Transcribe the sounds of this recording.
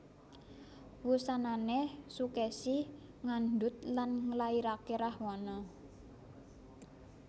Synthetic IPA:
wusananesukɛsi | ŋand̪ʊt̪̚lanŋəlaiɾakeɾahwanɔ

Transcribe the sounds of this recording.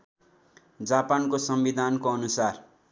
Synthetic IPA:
d͡zapankosʌmbid̪ʱankoʌnusar

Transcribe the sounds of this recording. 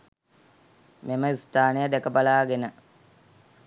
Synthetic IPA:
meməist̪aːnəjəd̪ekəbalaːɡenə

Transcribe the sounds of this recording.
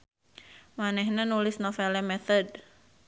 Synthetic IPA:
manɛhnenulɪsnofɛlɛmɛθɔd̚

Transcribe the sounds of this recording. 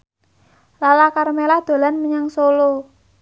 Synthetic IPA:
lalakaɾmelahd̪̥o̤lanməɲaŋsolo

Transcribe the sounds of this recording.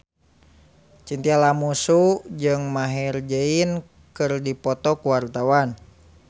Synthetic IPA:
t͡ʃint̪ialamusud͡ʒɨŋmaɦɛrd͡ʒəin | kɨrdipɔt̪ɔkuwart̪awan

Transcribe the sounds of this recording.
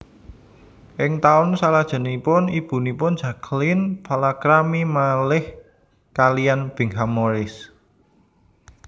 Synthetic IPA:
ʔɪŋt̪aʊnsalad̥ʒ̥ə̤nipʊnib̥ṳnipʊnd̥ʒ̥a̤kʰlinpʰalakɾamimalɪh | kalijanb̥i̤ŋɦamoɾɪs

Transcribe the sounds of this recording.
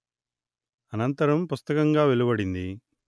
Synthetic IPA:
ɐnɐnt̪ɐɾɐmpust̪ɐkɐŋɡaːʋelibɐɽind̪i

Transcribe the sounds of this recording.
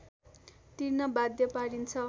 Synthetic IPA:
t̪irnʌbad̪jʌpaɽint͡sʰʌ

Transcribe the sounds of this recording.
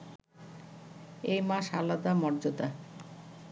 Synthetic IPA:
ejmaʃalad̪amɔɾd͡ʑot̪a

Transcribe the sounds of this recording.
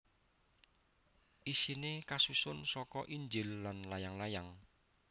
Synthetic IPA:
ʔisinekasusʊnsɔkɔʔiɲd͡ʒɪlːanlajaŋlajaŋ

